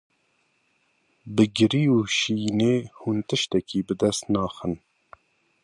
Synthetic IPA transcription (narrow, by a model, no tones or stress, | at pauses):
bɨɡɨɾiːuʃiːneːhunt̪ɨʃt̪ɛkiːbɨd̪ɛst̪nɑːxən